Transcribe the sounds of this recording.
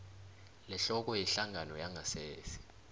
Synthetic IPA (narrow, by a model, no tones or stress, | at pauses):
lɛɬɔk̬ʼɔjɛɬaŋʱanɔjaŋʱaseːsi̥